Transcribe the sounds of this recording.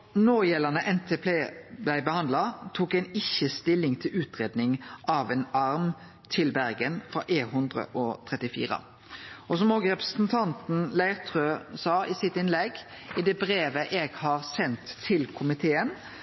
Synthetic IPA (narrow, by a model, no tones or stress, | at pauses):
noːjɛlənəʔɛnt̪ʰeːpʰeːd̪æɪbəhɑnd̪lɑt̪ʰuːkɛɪnɪçəst̪ɪlɪŋt̪ʰɪlʉːt̪ʁeːd̪nɪŋʔɑʋɛnɑɾm | t̪ʰɪlbæɾɡənfʁɑ̰ʔeːɦʉnd̪ʁə̰ʔɔt̪ʰʁɛt̪ɪfḭːʁə̰ | ɔsɔmoːɡəʁɛpʁəsn̩t̪ʰɑnt̪n̩læɪʁt̪ʰʁøːsɑːɪsɪt̪ɪnlɛɡ | ɪd̪ɛbɾeːʋəʔeːɡhɑːɾsɛnt̪ʰːɪlkʰʊmɪt̪ʰeːən